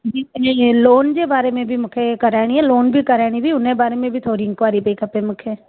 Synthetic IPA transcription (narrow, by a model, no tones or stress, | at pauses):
d͡ʒiːeloːnd͡ʒeːbaːɾemẽbʱimʊkʰekəɾɛːɽiɦɛːloːnbʱikəɾɛːɽ̃ibʱiʊnebaːɾemẽbʱit̪ʰoːɾiɪ̃ŋkʋaːɾipeːkəpemʊkʰeː